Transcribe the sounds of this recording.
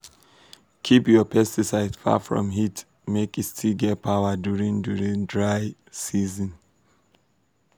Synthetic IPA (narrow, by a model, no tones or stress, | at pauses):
kʰipjɔpʰɛstisaɪdfa̰fɹɔ̰̃mɦit | mekitstʰilɡɛt̚pʰaʊədjuɹĩŋduɹĩŋdɹaɪ | sizɔ̃n